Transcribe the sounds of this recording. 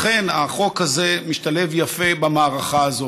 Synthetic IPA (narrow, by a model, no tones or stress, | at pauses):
χe̞naχo̞khazemiʃtalevjafe̞bamaːʁaχaːzo